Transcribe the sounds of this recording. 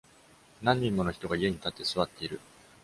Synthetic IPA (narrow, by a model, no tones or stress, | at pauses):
nãɲ̟ːĩmːo̞no̞çi̥t̪o̞ɡaie̞ɲ̟it̪at̪ːe̞sɨβat̪ːe̞iɾɯ̟